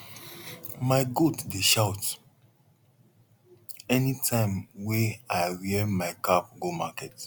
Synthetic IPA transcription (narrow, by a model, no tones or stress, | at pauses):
maɪɡotdeʃaʊt | ɛnitʰãɪ̃mweaɪɹiɛmaɪkap̚ɡomakɛt